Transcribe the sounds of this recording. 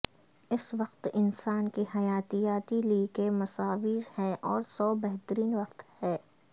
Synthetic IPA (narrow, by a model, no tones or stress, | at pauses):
ɪsʋɐqt̪ɪnsaːnkihɐjaːt̪ijaːt̪iliːkemɐsaːʋiːɾhɛʔɔːɾsɔːbɛɦt̪əɾiːnʋɐqt̪hɛː